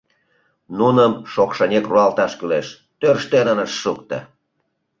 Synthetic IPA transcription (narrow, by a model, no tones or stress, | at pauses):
nunəmʃokʃənʲekruɑlt̪ɑʃkyleʃ | t̪ørʃt̪enənəʃːukt̪ə̰